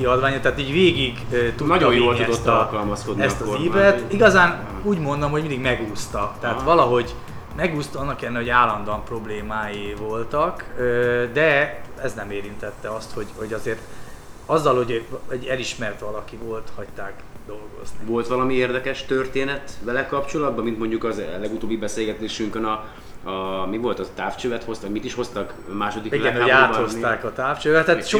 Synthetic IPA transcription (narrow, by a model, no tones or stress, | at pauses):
kiɒd̪ʋaːɲot̪ɛaːt̪iːɟʋeːɡiɡ | t̪unɒɟ̪ojjolt̪ud̪ot̪ːɒlkɒlmɒskod̪nɛst̪ɒiːbɛt̪iɡɒzaːn | uːɟmo̞nd̪omhoɟmind̪iɡmɛɡuːst̪ɒt̪ɛɦaːt̪ʋɒlɒɦo̞ɟ | mɛɡuːst̪ɒɒnːɒkɛlɛnɛɦoaːlːɒnd̪oɒmpro̞bleːmaːjivo̞lt̪ɒkød̪ɛɛznɛmeːɾint̪ɛt̪ːɛɒst̪ho̞ɟho̞ɟɒzeːrt̪ɒzːɒlho̞ɟɛɟɛliʃmɛrt̪ʋɒlɒkivo̞lt̪hɒct̪aːkd̪o̞lɡo̞̰zniʋo̞lt̪ʋɒlɒmieːrd̪ɛkɛʃt̪ørt̪eːnɛt̪bɛlɛkɒpt͡ʃo̞lɒd̪̚bɒmint̪mo̞ɲɟukɒzlɛɡut̪oːbːibɛseːlɡɛt̪eːʃyŋkønɒ | ɒmivo̞lt̪ɒt̪aːft͡ʃøːvɛt̪ho̞st̪ɒɟmit̪iʃho̞st̪ɒk | maːʃo̞d̪ikilɡɛnoaoaːtho̞st̪aːkɒt̪aːft͡ʃøːvɛt̪hɛʃ